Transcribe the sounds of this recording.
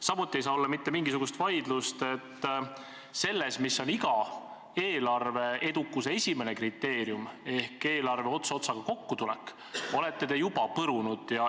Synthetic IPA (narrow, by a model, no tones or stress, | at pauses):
sɑmut̪ːˑie̞jsɑːo̞lːɑmit̪ːe̞miŋɡisuɡ̥ust̪vɑjd̪̥lust̪e̞t̪ː | se̞lːe̞smisːo̞niɡɑ | e̞ːlɑrve̞e̞d̪ukːˑuseesʲime̞ne̞krit̪ːe̞ːɾijume̞hke̞ːlɑrve̞o̞t̪sɑot̪sɑɡ̥ɑko̞kːut̪ulɛ̰kːˑ | o̞le̞t̪ːe̞t̪e̞jub̥ɑpɤɾunud̪̥jɑ